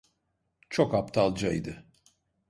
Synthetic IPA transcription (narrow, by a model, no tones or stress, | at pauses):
t͡ʃʰokapt̪ʰalˠd͡ʒajd̪ɯ